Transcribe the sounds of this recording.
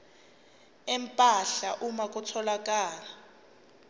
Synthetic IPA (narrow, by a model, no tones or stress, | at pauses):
ɛmpʼaɬaʔumak̬ʼutʰɔlak̬ʼaːla